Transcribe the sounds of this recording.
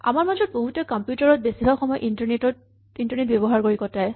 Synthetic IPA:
a̰maɹmazɔt̚boɦutɔkɔmpjutaɹɔt̚besibʱaxɔmɔjɔʔintaɹnetɔt | intɔɹnet̚bebɔɦaɹkoɹikɔtaj

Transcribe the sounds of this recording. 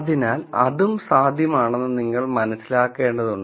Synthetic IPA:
ðinaːlɐ̰ðumsaːd̪ʱjɐmaːɳenːɨniŋːɐɭmɐnɐsːilaːkːe̞ːɳɖɐðuɳɖɨ

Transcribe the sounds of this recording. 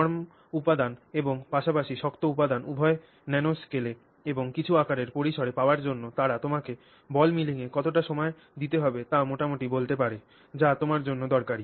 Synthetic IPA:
ɔɾm | upad̪aneboŋpaʃapaʃiʃɔkt̪oupad̪anubʱɔe | nɛnoskele | eboŋkit͡ɕʰuakaɾeɾpoɾiʃoɽepaoaɾd͡ʑonːot̪aɾat̪omake | bɔlmiliŋekɔt̪oʈaʃɔmɔe | d̪it̪eɦɔbet̪amoʈamoʈibolt̪epaɾe | d͡ʑat̪omaɾd͡ʑonːod̪ɔɾkaɾi

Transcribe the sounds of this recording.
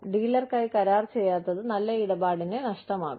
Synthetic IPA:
ɖiːlːɐrkɐjkɐɾaːrt͡ɕe̞jːaːt̪ːɐðɨnɐlːɐiɽɐbaːɽinenɐʂʈɐma̰ːɣu

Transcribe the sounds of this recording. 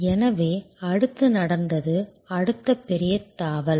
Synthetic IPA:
ɛnɐʋeːɐɽɯt̪ːɯnɐɽɐnd̪ɐðɯ | ɐɽɯt̪ːɐpːɛɾɪjɐt̪ːaːʋɐl

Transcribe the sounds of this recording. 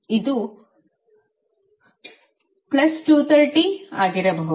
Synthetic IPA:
id̪u | plɐsʈuːt̪ʰɐɾʈiaːɡiɾɐbʱɐɦ

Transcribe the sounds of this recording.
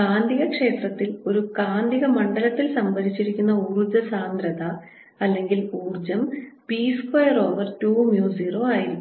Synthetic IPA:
aːnd̪ʱiɣɐkʂe̞ːt̪rɐt̪ːilo̞ɾukaːnd̪ʱiɣɐmɐɳɖɐlɐt̪ːilsɐmbɐðit͡ɕːiɾikʲːunːɐurud͡ʑɐsaːnd̪ɾɐd̪ɐ | ɐlːe̞ŋɡiluːrd͡ʑɐmpiːskɐjɐro̞ːʋɐrtuːmjuːsiːro̞aːjiɾikː

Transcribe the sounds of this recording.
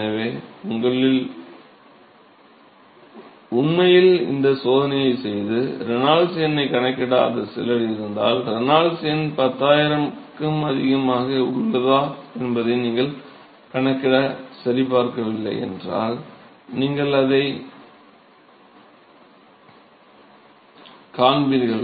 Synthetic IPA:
ɐʋeːʊŋɡɐɭɪl | ʊnmɐjɪlɪ̰nd̪ɐsoːðɐnɐjɐɪsɛjðɯɾɛnaːɭsɪjɐnɐɪkɐɳɐkːɪɽaɐ̰nðɐsɛ̰lɐɽɪɪɾɯnd̪aːlɾnaːlsɪjɐnpɐt̪ːaːjɪɾɐmkɯmɐðɪɣɐmaːɣɐʊɾɯlːɐðaːɛnbɐðɐɪniːŋɡɐɭ | kɐɳɐkːɪɽɐsɐɾɪpaːɾkɐʋɪlːɐ̰ɪɛ̰ndra̰ːl | niːŋɡɐɭɐðɐɪ | kaːnbiːɾɣɐɭ

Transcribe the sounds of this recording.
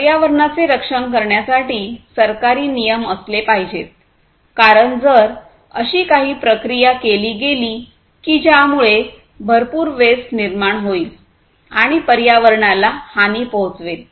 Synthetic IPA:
pəɾjaʋəɾɳat͡seɾəkʂəɳk̬əɾɳjasaʈiːsəɾkaɾiːnijəməslepaɦid͡ʑet̪̚ | kaɾəɳd͡zəɾ | ə̰ɕiːkaɦiːpɾəkɾijakeliːɡeliː | kid͡ʑjamuɭe | bʱəɾpuːɾʋesʈniɾmaɳɦoiːl | aɽ̃ipəɾjaʋəɾɳalahaniːpoɦt͡sʋel

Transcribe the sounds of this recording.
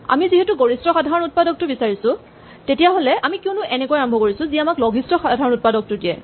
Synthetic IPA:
a̰miziɦetʊɡoɹistɹɔxadʱaɹɔnut̚padɔk̚tʊbisaɹisʊ̃ | tetijaɦolɛʔamikiʊnʊʔɛnɛkojaɔmbʱɔkoɹisʊ̃ziamaklɔɡʱistɔxadʱaɹɔnut̚padɔk̚tʊdiɛ̰

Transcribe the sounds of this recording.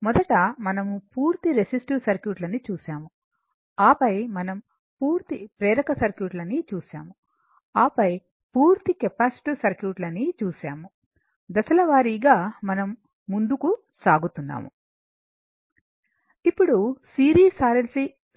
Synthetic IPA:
mɔd̪ɐʈɐmɐnɐmupuːɾt̪iɾesisʈusɐɾkjuːʈlɐnit͡ʃuːsaːmu | aːpɐjmɐnɐm | puːɾt̪ipɾɛːɾɐkɐsɐɾkjuːʈlɐnit͡ʃuːsaːmu | aːpɐj | puːɾt̪ikepaːsi̥ʈisɐɾkjuːʈlɐnit͡ʃuːsaːmu | d̪ɐsɐlɐʋaːɾiɡaːmɐnɐmː | und̪uku | saːɡut̪unːa̰ːmṵ | ipːuɽusiːɾiːsaːɾɐlsi

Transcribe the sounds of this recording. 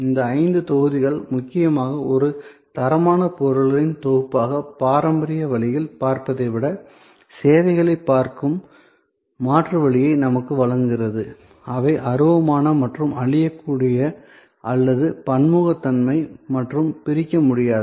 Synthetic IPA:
ɪnd̪ɐɐɪnd̪ɯt̪ɔɣɯðɪɣɐɭmʊkːɪjɐmaːɣɐɔɾɯt̪ɐɾɐmaːnɐpɔɾɯɭɐɾɪnt̪oɣɯpːaːɣɐpaːɾɐmbɐɾɪjɐʋɐɭɪjɪlpaːɾpɐðɐɪʋɪɽɐ | seːʋɐɪɣɐɭɐɪpːaːɾkɯmː | aːʈrɐʋɐɭɪjɐɪnɐmɐkːɯʋɐɭɐŋɡɪrɐðɯ | ɐʋɐɪʔɐɾɯʋɐmaːnɐmɐʈrɯmɐɭɪjɐkːuːɽɪjɐ | ʔɐlːɐðɯpɐɳmuːɣɐt̪ːɐnmɐɪmɐʈrɯmpɪɾɪkːɐmʊɽɪjaːð

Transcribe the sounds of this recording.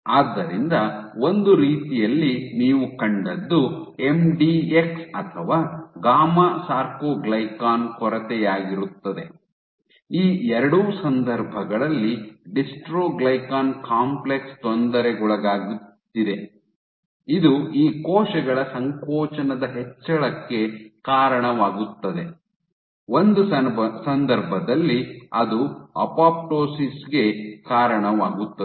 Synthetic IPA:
aːd̪ːɐɾind̪ɐo̞nd̪uɾiːt̪ijɐlːiniːʋukɐɳɖɐd̪ːue̞mɖieksɐt̪ʰɐʋaːɡaːmasaːɾkoːɡlɐjkaːnkɔɾɐt̪ɛjaːɡiɾut̪ːɐd̪e̞ | iːɛɾɐɽuːsɐnd̪ɐɾbʱɐɡɐɭɐlːiɖisʈɾoːɡlɐjkaːnkaːmplekst̪ɔnd̪ɐɾɛɡɔɭɐɡaːɡutt̪ːid̪e | id̪uiːkɔːʃɐɡɐɭɐsɐŋkɔːt͡ʃɐnɐd̪ɐɦɛt͡ʃːɐɭɐkːe̞kaːɾɐɳɐʋaːɡut̪ːɐd̪e̞ | ond̪usɐnd̪ɐɾbʱɐd̪ɐlːiɐd̪uɐ̰paːp̚ʈoːsisɡe̞kaːɾɐɳɐʋaːɡut̪ːɐ

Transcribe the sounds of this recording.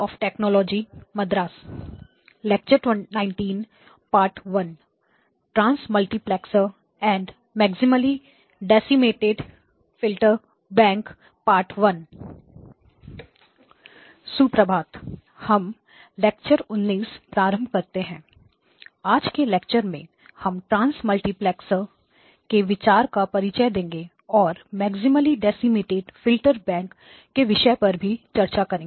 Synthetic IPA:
ɔːfʈeːknɔːlɔːd͡ʒimɐd̪ɾaːs | lek̚t͡ʃəɾʈnãːɪ̃ɳʈiːn | paːɾʈʋɐn | ʈɾãːnsmɐlʈiplɛːksəɾ | ɛ̃ːɳɖ | mɛːksɪməli | ɖɛːsimeːʈeɖ | fɪlʈəɾ | bɛ̃ːŋk | paːɾʈʋɐn | supɾəbʱaːd̪ | hɐm | leːkt͡ʃəɾʊnːiːspɾaːɾə̃mbʱkɐɾt̪eɦɛ̃ː | aːd͡ʒkeleːkt͡ʃəɾmẽ | hɐmʈɾãːnsmɐlʈiplɛːksə | keʋɪt͡ʃaːɾkapɐɾɪt͡ʃəd̪ẽːŋɡe | ɔːɾmɛːɡsɪməliɖɛːsɪmɪʈeːʈfɪlʈəɾbɛ̃ːŋkː | eʋɪʃəpɐɾbʱit͡ʃɐɾt͡ʃakɐɾẽŋɡ

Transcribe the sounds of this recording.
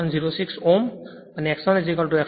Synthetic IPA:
ɔnziɹosiksom | aniɛksɔnezikɔltʊɛk

